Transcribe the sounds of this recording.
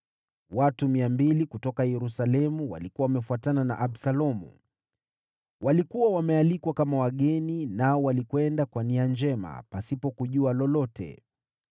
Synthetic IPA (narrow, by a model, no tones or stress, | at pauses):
watumiambilikutɔkajɛɾusalɛmuwa̰likuwawamɛfuatanana̰ʔabsalɔmṵ | wʔalikuwawamɛalikwakamawaɠɛninaɔwalikwɛndakwaniand͡ʒɛma̰pasipɔkuʄualɔlɔtʰɛ̰